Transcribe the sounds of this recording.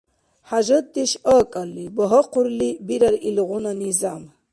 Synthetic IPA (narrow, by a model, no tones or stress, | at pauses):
ħaʒət̪ːiʃɔːkʼalːibɔɦɔqʰuɾlibiɾaɾilʁunanizam